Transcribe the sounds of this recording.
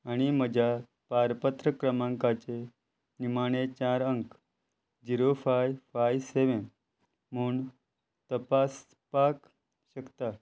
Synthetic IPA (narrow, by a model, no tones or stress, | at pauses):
aɽ̃iməd͡ʑʱa | paɾpət̪ɾəkɾəmãŋkat͡ɕe | nimaɽ̃et͡ɕaɾəŋk | d͡ʑiɾofajfajseʋen | muːɳ | t̪əpas | pak | ɕəkt̪a